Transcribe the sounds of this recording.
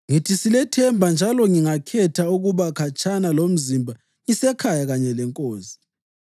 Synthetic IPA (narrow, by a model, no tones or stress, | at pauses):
ŋitʰisilɛtʰɛmbʱand͡ʒʱalɔŋiŋakʰɛtʰauɣuβakʰat͡ʃʰʼanalom̩zimbʱa | ŋisɛkʰajaɣaɲɛlɛŋkʼoːsi̥